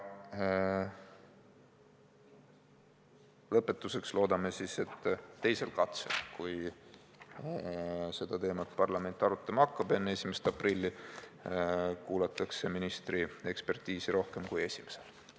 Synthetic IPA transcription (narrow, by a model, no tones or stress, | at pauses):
lɤpːˑe̞t̪ːˑuse̞kslo̞ːd̪ɑme̞sise̞t̪ːe̞jse̞lkɑt̪sḛlkuj | se̞d̪̥ɑt̪e̞ːmɑt̪pɑrlɑme̞nt̪ːˑɑɾut̪ˑːɑmɑɑkːɑb̥e̞nːee̞sʲimese̥t̪ɑprilʲːi | kuːlɑt̪ːˑɑkse̞minist̪rie̞kspe̞rt̪iːsiɾo̞hke̞mkuje̞sʲime̞se̞l